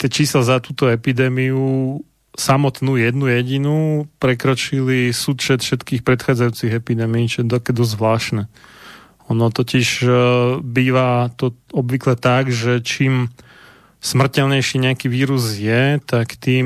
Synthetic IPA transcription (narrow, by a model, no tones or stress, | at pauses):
t̪ɛt͡ʃiːslazat̪uːt̪ɔɛpid̪ɛːmiu | samɔt̪nuːjɛd̪nujɛɟinupɾɛkɾɔt͡ʃilisuːt̪fʃɛt̪fʃɛt̪kiːxpɾɛt̪xaːd͡zajuːt͡siɣɛpid̪ɛːmiiːt͡ʃɔjɛd̪ɔkɛd̪ɔzzʋlaːʃnɛ | ɔnɔt̪ɔciʒ | biːʋat̪ɔɔbʋiklɛt̪aɡʒɛt͡ʃiːm | smr̩cɛlɲɛjʃiːɲɛakiʋiːɾuzjɛt̪akt̪iː